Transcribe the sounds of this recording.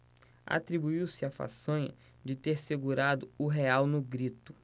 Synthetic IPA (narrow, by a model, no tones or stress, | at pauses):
a̰t̪ɾibuiwsɪafa̰sɐ̃ɲɐ̰ | d͡ʒɪt̪eɾseɡuɾad̪ʊʊɦeawnʊɡɾit̪ʊ̥